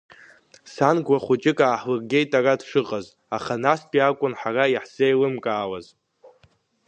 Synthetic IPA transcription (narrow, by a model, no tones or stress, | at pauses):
sanɡʷwaχʷut͡ʃʼɪkʼaːħwɨrɡʲe̞jtʼarad̥ʂɨqʼaz | aχanaspʼiakʷʼʊnħaraiħz̥ejlɨmkʼaːwaz